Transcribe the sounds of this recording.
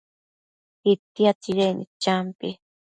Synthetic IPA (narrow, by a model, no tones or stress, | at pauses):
it̪iat̪iɾenḭt͡ʃampi